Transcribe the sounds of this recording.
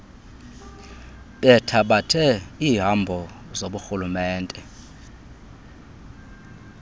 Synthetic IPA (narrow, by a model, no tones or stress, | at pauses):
ɓɛtʰaɓatʰɛiːɦambʱɔ | zoɓuxulumɛːntʼɛ